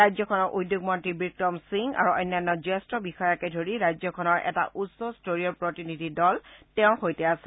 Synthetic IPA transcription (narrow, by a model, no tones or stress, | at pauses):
ɹajzɔkʰɔnɔɹʔujdːjoɡ̚mɔntɹibɹik̚tɔmsiŋa̰ɹuɔjnːanːɔzɛstɔbixɔjɔkɛdʱoɹiɹajzɔkʰɔnɔɹʔɛ̰ta̰ʔusɔstoɹiɔɹpɹotinidʱidɔltɛʊ̃xojtɛasɛ